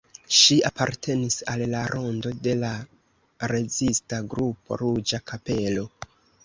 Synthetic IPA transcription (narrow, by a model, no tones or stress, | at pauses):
ʃiapaɾtʰe̞nisalːaɾʔo̞ndo̞de̞la | ɾe̞zistaɡɾupo̞̰ɾud͡ʒakʰape̞lo̞